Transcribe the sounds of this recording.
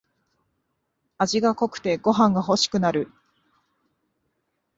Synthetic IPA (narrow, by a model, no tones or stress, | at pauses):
aʑiɡako̞kɯ̟̥t̪e̞ɡo̞ɦãŋɡaɦo̞ɕi̥kɯ̟naɾɯ̟